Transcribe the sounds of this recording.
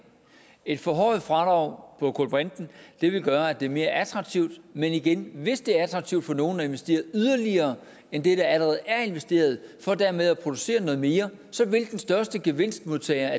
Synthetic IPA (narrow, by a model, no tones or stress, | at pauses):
e̝d̥fɒ̽ɦɒɪð̩ˠfʁɑ̈d̥ʁɑ̈ʊ̰pʰɒ̽kʰo̰lb̥ʁand̥n̩d̥e̝ʋe̝lɡ̥ɶːɐæd̥e̝ɐme̝ːɐʔæt͡sʰʁɑ̈ɡ̥̚t͡sʰiʊ̰d̥meniɡ̥enʋe̝sd̥e̝æɐæt͡sʰʁɑ̈ɡ̥̚t͡sʰiʊd̥fɒ̽no̝ːn̩æe̝nʋesd̥e̝̰ːɐð̩ˠyðˠɐliɐː | end̥e̝ɾ̥ɑ̈æləʁɛːð̩ˠæɐe̝nʋesd̥e̝̰ːɐð̞ˠfɒd̥æɐmeð̞ˠæpʰʁo̝d̥use̝̰ːɐnɔ̽ðˠme̝ːɐ | sɒ̽ʋe̝lɡ̥n̩sd̥ɶɐsd̥əɡ̥e̝ʋe̝n̰sd̥mo̝ðˠt͡sʰɛɪɐ